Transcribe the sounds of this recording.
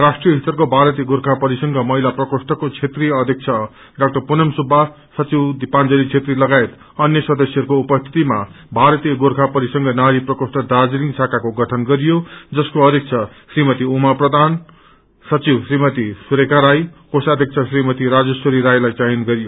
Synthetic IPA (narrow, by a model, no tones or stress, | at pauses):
rasʈrijʌɦit̪ʌrkobʱaɾʌt̪ijɡorkʰapʌɾisʌŋɡʌmʌɦilaprʌkosʈʌkot͡sʰet̪riʌd̪ʱjʌk̚t͡sʰʌ | ɖak̚ʈʌrpunʌmsubʱa | sʌt͡siwd̪ipand͡zʌlit͡sʰet̪rilʌɡaet̪ | ʌnjʌsʌd̪ʌsjʌɾukoupʌst̪ʰi̥t̪ima | bʱaɾʌt̪ijʌɡorkʰapʌɾisʌŋɡʌnaɾiprʌkosʈʌd̪ad͡ziliŋsʰakakoɡʌʈʰʌnɡʌɾijod͡zʌskoʌd̪ʱek̚t͡sʰʌsrimʌt̪iumaprʌd̪ʱan | sʌt͡siwsrimʌt̪isuɾekaɾajkosad̪ʱjʌk̚t͡sʰʌsrimʌt̪iɾad͡zʌsoɾiɾajlajt͡sajinɡʌɾijo